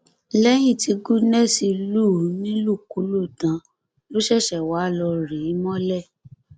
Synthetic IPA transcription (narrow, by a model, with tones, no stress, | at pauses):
lɛ˦j̃ĩ˦˨ti˨˧ɡu˦nɛ˦˨si˧luː˦˨˦nĩ˦lu˦˨ku˨˦lo˦˨tã˨˦ | lo˦ʃɛ˦˨ʃɛ˨wa˨˦˨lɔ˧ɾi˨˦mɔ̃˦lɛ˦˨